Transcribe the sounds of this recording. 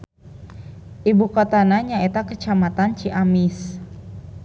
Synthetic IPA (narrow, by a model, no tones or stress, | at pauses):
ʔibukot̪anaɲaet̪akət͡ʃamat̪ant͡ʃiʔamɪs